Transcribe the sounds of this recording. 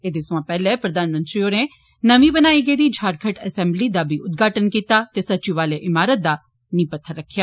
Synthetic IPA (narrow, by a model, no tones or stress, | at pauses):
eːd̪eːsʊãːpɛːlɛːpɾəd̪aːnmə̃nt̪ɾiːoːneː | nəʋĩːbənaːiːɡəiːd̪iːd͡ʒʱaːɾkʰəʈə̰sɛ̃ːmbliːd̪aːbiːʔʊt̪̚ɡaːʈənkiːt̪aːt̪eːsətːt͡ʃiːʋaːleːʔɪmaːɾət̪̚d̪aː | nĩːpət̪ʰːəɾːəkʰːjaː